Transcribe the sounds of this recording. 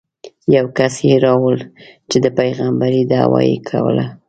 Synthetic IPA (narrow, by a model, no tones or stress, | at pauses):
jawkasjeɾɑwəlt͡ʃed̪əpajɣambaɾid̪ɑwɑ̰jikʰa̰wə̰la